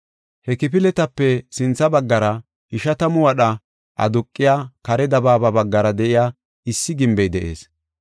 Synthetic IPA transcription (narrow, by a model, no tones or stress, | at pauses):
hɛkɪp̬ɪlɛt̪ɐpːɛsɪnt͡sːɐbɐɡːɐɾɐ | ɪʃɐt̪ɐmʊwɐɗɐ | ʔɐ̰d̪ʊkʼːɪjaːkɐɾɛd̪ɐbaːbɐbɐɡːɐɾɐd̪ɛʔɪjaː | ɪsːɪɡɪmbɛjd̪ɛʔe̞̰ːs